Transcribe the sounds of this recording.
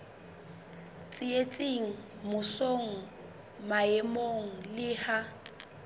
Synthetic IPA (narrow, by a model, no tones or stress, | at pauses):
t͡sʼɪet͡sʼɪŋ̩ | mʊsoŋ̩ | maɛmoŋ̩lɪha